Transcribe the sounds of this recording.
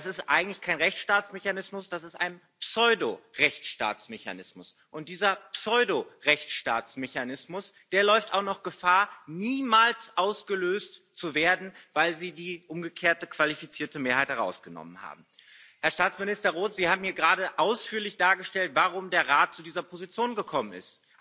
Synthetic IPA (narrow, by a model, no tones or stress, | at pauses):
sɪstʔa̰ɪɡŋ̩tlɪ̥çkʰaɪnʁɛçʃtaːt͡smeçanɪsmʊsd̥asɪstʔaɪn | psɔʏdoʁɛçt͡sʃta̰ːt͡smeça̰nɪsmʊs | ʔʊntd̥iːzɐpsɔʏdoʁɛçt͡sʃta̰ːt͡smeçanɪsmʊsd̥eːɐlɔʏfta̰ʊxnɔχɡ̥əfaːɐniːmaːlsʔaʊsɡ̥əløːstt͡suveːɐdn̩vaɪlziːdiːʔʊmɡəkʰeːɐtəkv̥alifit͡siːɐtəmeːɐhaɪthɛʁa̰ʊsɡ̥ənɔ̰mənha̰ːbm̩ | hɛɐʃtaːt͡smɪnɪstɐʁoːtz̥iːhaːbm̩hiːɐɡʁaːɾəʔaʊsfyːɐlɪçd̥aːɐɡəʃtɛltvaʁʊmdeːɐʁaːt̚t͡sudiːzɐpʰozit͡sjoːnɡəkʰɔmənɪ̰st